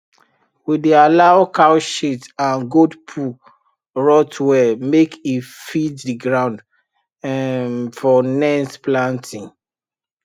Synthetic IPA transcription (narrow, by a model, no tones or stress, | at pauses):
widealaʊkawʃitãnɡodpʰu | ɹɔtwɛmekifiddiɡɹãʊ̃nd | fɔnɛ̃nsplãntʰĩŋ